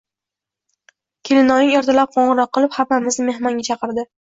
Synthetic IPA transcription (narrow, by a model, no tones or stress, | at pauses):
kʲʰelɪnɒnɪŋeɾt̪ʰalap̚qʰoɴʁɨɾɒqːɨlˠɪphamːamɪzme̞hmɒŋʲat͡ʃʰɑqɨɾd̪ɪ